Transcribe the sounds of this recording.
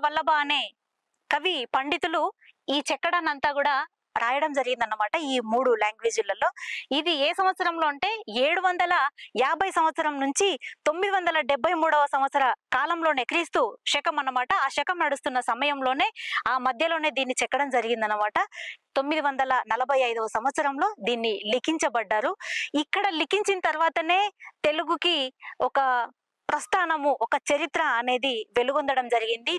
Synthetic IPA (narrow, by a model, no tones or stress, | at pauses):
ʋɐlːɐbaːne̞ː | kɐʋipɐɳɖit̪uluiːt͡ʃɛkːɐɽɐnːɐnt̪aːɡuːɽaː | ɾaːjɐɽɐmd͡ʒɐɾiɡind̪ɐnːɐmaːʈɐiːmuːɽuljaːŋɡʋeːd͡ʒilɐlo̞ːid̪ieːsɐmʋɐt̪sɐɾɐmlo̞ːɐɳʈe̞ːeːɽuʋɐnd̪ɐlɐjaːbʱɐjsɐmʋɐt̪sɐɾɐmnuɲt͡ʃit̪o̞mːid̪iʋɐnd̪ɐlɐɖebʱːɐjmuːɽɐʋɐsɐmʋɐt̪sɐɾɐkaːlɐmlo̞ːnekɐɾist̪uːʂɛkɐmɐnɐmaːʈɐaːʃɛkɐmnɐɽust̪unːɐsɐmɐjɐmlo̞ːne̞ːaːmɐd̪ʱjɐlo̞ːne̞ːd̪iːnːit͡ʃɛkːɐɽɐmd͡ʒɐɾiɡind̪ɐnːɐmaːʈɐt̪o̞mːid̪iʋɐnd̪ɐlɐnɐlɐbʱɐjɐjd̪ɐʋɐsɐmʋɐt̪sɐɾɐmlo̞ːd̪iːnːilikiɲt͡ʃɐbɐɖːaːɾuikːɐɽɐlikiɲt͡ʃinɐt̪ɐɾʋaːt̪ɐne̞ːt̪e̞luɡukiɔkɐ | pɾɐst̪ʰaːnɐmuʔɔkɐt͡ʃɐɾit̪ɾɐːne̞ːd̪iʋe̞luɡond̪ɐɽɐmd͡ʒɐɾiɡind̪i